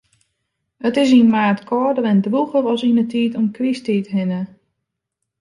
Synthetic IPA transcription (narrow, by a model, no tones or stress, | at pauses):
ətɪs̬inmaːtkʰɔːdəɾɛndruɣərɔsinətʰiːtɔmkristiːtɦɪnə